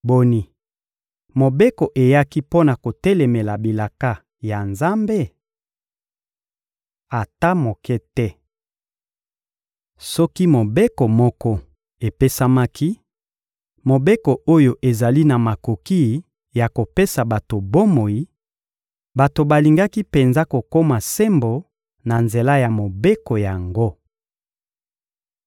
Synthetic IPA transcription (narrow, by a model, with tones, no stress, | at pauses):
bo˦ni˨ | mo˨be˦ko˨ʔe˨ja˦ki˦po˦na˨ko˨tɛ˦le˨me˨la˨bi˨la˨ka˦ | ja˨nza˦mbe˦˨ | a˨ta˦mo˨kɛ˦tɛ˦ | sɔ˦ki˦mo˨be˦kɔ˨mɔ˦kɔ˦ | e˨pe˦sa˦ma˦ki˦ | mo˨be˦ko˨o˦jo˦ʔe˨za˨li˦na˨ma˨ko˨ki˦ | ja˨ko˨pe˦sa˨ba˨to˨bo˦mo˨i˦ | ba˨to˨ba˨li˨ŋɡa˦ki˦pe˨nza˦ko˨ko˦ma˨se˦mbo˨ | na˨nze˨la˦ja˨mo˨be˦ko˨ja˨ŋɡo˦